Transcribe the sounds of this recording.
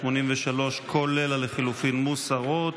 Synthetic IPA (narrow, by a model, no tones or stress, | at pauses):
monimveʃalo̞ʃkʰole̞laleχilufinmusaʁot̪